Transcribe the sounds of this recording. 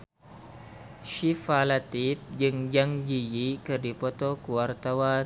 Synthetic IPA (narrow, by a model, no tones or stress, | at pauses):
ʃifalat̪ip̚d͡ʒɨŋd͡ʒaŋd͡ʒijikɨrdipɔt̪okuwart̪awa